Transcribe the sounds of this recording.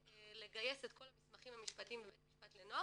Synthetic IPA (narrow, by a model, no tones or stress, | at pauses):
ele̞ɡaje̞setkʰo̞lamismaχimhamiʃpatiimbebetmiʃpatlenoa